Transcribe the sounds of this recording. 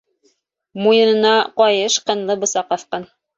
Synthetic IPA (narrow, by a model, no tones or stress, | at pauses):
mujɤ̆nɤ̆nɑqɒjɤʃqɤ̆nlˠɤbŏsɑqɑθqɑn